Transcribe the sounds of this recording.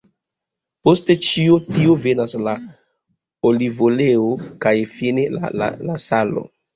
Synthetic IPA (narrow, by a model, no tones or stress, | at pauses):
po̞ste̞t͡ʃiotiove̞nasla | olivoleokajfinela̰la̰lasalo̞̰